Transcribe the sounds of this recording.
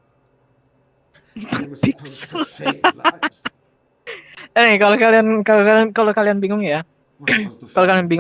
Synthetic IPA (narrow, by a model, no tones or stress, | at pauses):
papikso | ɪkalokaliankalokaliankalokalianbiŋʊŋja | kalokalianbiŋ